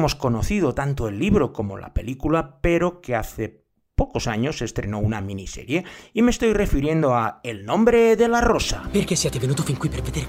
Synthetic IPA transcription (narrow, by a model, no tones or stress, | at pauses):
mo̞skonoθið̞ot̪ant̪oelːiβɾokomo̰la̰pe̞likulapeɾokeaθe | pokosaɲosest̪ɾḛnounamĩnisḛɾjeimeːst̪o̞jre̞fiɾjend̪oaelnõmbɾeðelarosa̰peɾkesːijɛt̪evenut̪ofiŋkwipeɾved̪eɾ